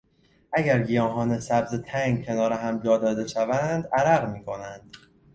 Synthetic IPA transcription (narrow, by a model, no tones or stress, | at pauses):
ʔæɟæɾɡijɒːɦɒːnesæbzet̪ʰæŋɡcʰe̞nɒːɾeɦæmd͡ʒɒːd̪ɒːd̪e̞ʃævænd̪æɾæɣmiːkʰo̞nænd̪̥